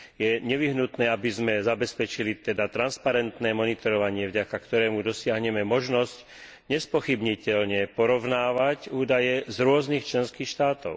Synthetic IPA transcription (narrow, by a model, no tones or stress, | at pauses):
jɛɲɛʋiɦnut̪nɛːabizmɛzabɛspɛt͡ʃilit̪ɛd̪at̪ɾanspaɾɛnt̪nɛːmɔnit̪ɔɾɔʋaɲɪɛvɟakakt̪ɔɾɛːmud̪ɔsɪaɦɲɛmɛmɔʒnɔsc | ɲɛspɔxibɲicɛlɲɛpɔɾɔʋnaːʋacuːd̪ajɛzɾʊɔznixt͡ʃlɛnskiːxʃt̪aːt̪ɔʊ